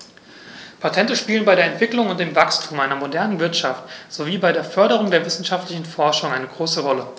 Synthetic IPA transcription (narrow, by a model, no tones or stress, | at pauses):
pʰatʰɛntəʃpiːlənbaɪɾeɐɛntv̥ɪklʊŋʊnt̚d̥eːmvakstʰuːmʔaɪnɐmodɛɐnənvɪɐtʃaftz̥oviːbaɪɾeːɐfœɐɾəʁ̞ʊŋdeːɐvɪsn̩ʃaftlɪçn̩fɔɐʃʊŋʔaɪnəɡʁoːsəʁɔlə